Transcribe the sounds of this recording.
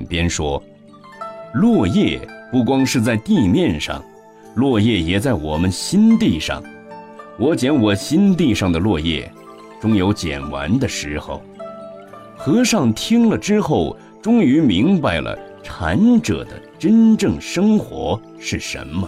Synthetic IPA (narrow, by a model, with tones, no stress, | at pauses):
pjɛ˥nʂwɔ˥ | lwɔ˥˧jɛ˥˩pu˥˩k̬wɑ˥ŋʂɻ̩˥˧t͡sa˥˧ɪt̪i˥˧mjɛ˥˧nʂɑ̰˥˩ŋ | lwɔ˥˧jɛ˥˩jɛ˨˩t͡sa˥˩ɪwɔ˨˩mə˦nɕi˥nt̪i˥˧ʂɑ̰˥˩ŋ | wɔ˧˥t͡ɕjɛ˧˥nwɔ˨˩ɕi˥nt̪̬i˥˧ʂɑ˥˩ŋd̪ə˩lwɔ˥˧jɛ̰˥˩ | ʈ͡ʂʊ˥ŋjo˧˥ʊt͡ɕjɛ̰˨˩nwa̰˧˥nd̪ə˧ʂɻ̩˧˥xo̰˥˩ʊ | xɤ˧˥ʂɑ˥˩ŋt̪ʰi˥ŋlə˨ʈ͡ʂɻ̩˥xo˥˩ʊ | ʈ͡ʂʊ˥ŋy˧˥mi˧˥ŋba˥˧ɪlə̰˩ | ʈ͡ʂʰa̰˧˥nʈ͡ʂɤ̰˨˩d̪ə̰˦ʈ͡ʂə˥nʈ͡ʂɤ˥˩ŋʂɤ˥ŋxwɔ̰˧˥ | ʂɻ̩˥˩ʂə̰˧˥nmə˦˧